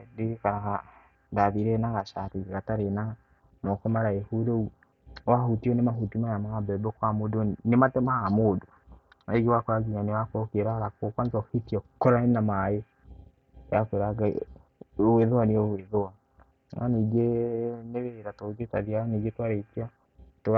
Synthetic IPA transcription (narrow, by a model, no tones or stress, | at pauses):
dekanaka | daðiɾɛnaɣaʃatiɡiɣataɾena | mɔkɔmaɾaehuɾou | wahutiɔnemaɦutimajamaabɛbɛkwamodonematɛmaamodo | aeɡewakoɾaɡiɲanewakɔkeɾaɾakokwanzɔhitiɔkɔɾaenamaje | jakweɾaɡa | weðowaniɔweðowa | naniɡeneβɛɾatoɡetaðiaaniɡetwaɾetiɔ | to